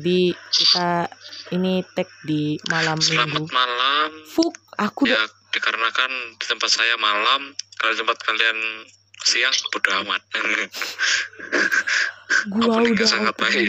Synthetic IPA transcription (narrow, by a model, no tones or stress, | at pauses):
dikit̪ainit̪ɛk̚dimalamsilamaut̪̚malamfuk̚akuja | d̥ikaɾənakand̥i̥t̪əmpat̪̚sajamalamkaladit̪əmpat̪̚kalian | siaŋbudaɦamat̪̚ŋ | ɡuadiuɡasaɡapai